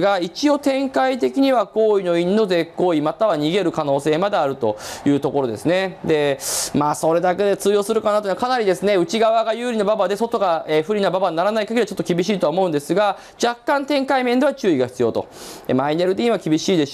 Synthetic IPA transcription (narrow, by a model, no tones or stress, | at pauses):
ɡait͡ɕio̞t̪ẽ̞ŋkait̪̬e̞kʲiɲ̟iβako̞ːino̞inːo̞ze̞kːo̞ːimat̪aβaɲ̟iɡe̞ɾɯ̟kano̞ːse̞ːmad̪e̞aɾɯ̟t̪o̞̰jɯ̟ːt̪o̞ko̞ɾo̞d̪e̞sɨne̞d̪e̞maːso̞ɾe̞d̪ake̞d̪e̞t͡sɨːjo̞ːsɨɾɯ̟kanat̪oiimakanaɾʲid̪e̞sɨne̞ɯ̟t͡ɕiɡaβaɡajɯːɾʲinobabad̪e̞so̞t̪o̞ɡaeɸɯ̟ɾʲinababaɲinaɾanaikaɡeɾiat͡ɕo̞t̪ːo̞kʲibʲiɕiːt̪o̞aomo̞ɯ̟̃nd̪e̞sɨɡa | d͡ʑakːãnt̪ẽ̞ŋkaimend̪e̞βat͡ɕɨːiɡaçi̥t͡sɨjo̞̰t̪o̞̰emaine̞ɾɯ̟d̪e̞imakʲibʲiɕiːd̪e̞